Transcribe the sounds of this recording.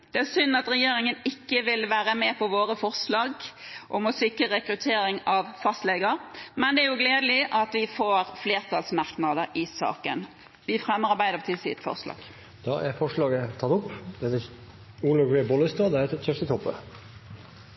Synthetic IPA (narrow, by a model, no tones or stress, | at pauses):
d̪̥ɛæsʏnːɑt̪ɾɛjeːɾɪŋənɪkːəʋɪlʋæːɾəmɛpʰɔʋoːɾəfɔʁʂlɑːɡʔɔmɔsɪkɾəɾɛkɾʉt̪ʰeːɾɪŋɑʋfɑst̪lɛɡəɾmɛnd̪ɛæɾjʊɡleːd̪əlɪʔɑt̪ʋɪfoːɾfleːʁt̪ʰɑlsmɑɾknɑd̪əɾɪsɑ̰ːkə̰n | ʋɪfɾɛmːəɾɑɾbæɪd̪əpt̪ɪlsɪ̰ːt̪fɔ̰ʁslɑ̰ːɡ̥ | d̪̥ɑæɾfɔʂɭɑːɡət̪ʰɑt̪ʊpːd̪ɛt̪ɛ | uːlɑɡʋeːbɔlɪst̪ød̪əɛɛœft̪ət̪ʰɔpːə̰